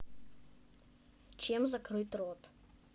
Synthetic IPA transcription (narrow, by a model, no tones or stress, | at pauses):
t͡ʃɛmzɐkɾɨt̪ɾot̪